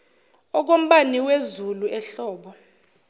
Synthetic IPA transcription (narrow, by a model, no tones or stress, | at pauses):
ɔk̬om̩ɓaniwezuluɛɬɔːɓɔ